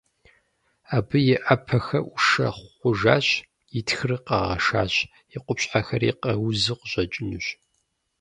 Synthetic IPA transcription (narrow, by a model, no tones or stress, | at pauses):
aːbɨjɪʔɐpʰɐxɐʔʊʂɐ̰χʷʊʒaːɕ | jɪtʰxɨrɨqɐʁɐ̰ʂa̰ːɕ | jɪqʷʊpɕħaxɐrḭqɐwzɨqʷʊʑɐt͡ʃʼɪnɨɕ